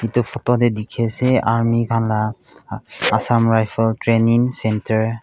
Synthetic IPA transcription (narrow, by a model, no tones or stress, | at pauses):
itɔpʰɔtɔdɛdikʰɛsɛaɹmikʰanla | asamɹajpʰaltɹeniŋsɛntɛɹ